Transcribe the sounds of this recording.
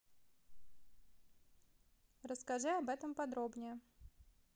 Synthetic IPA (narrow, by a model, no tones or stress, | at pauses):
rəskɐʐɨɐbɛt̪əmpɐd̪ɾobnʲɪjə